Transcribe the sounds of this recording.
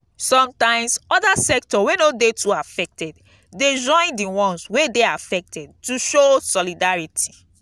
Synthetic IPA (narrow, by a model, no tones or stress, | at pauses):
sɔ̃mtãɪ̃msɔdasɛk̚tɔwenodetʰuafɛk̚tɛd | ded͡ʒɔ̃ɪ̃ndiwɔ̃nswedeafɛk̚tʰɛd̚tuʃosɔlidaɹitʰi̥